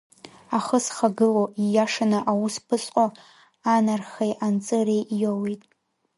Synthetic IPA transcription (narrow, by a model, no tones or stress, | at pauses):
aχəsχaɡɨloijaʂanaʔawuspʰɨsʼqʼo | anarχejʔant͡sʼɨrejʔjowejtʼ